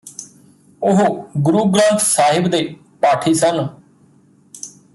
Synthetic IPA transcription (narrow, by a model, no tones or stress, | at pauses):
ʊɦoɡʊɾuːɡɾãːnt̪saːɦɪbd̪eː | paːʈʰiːsən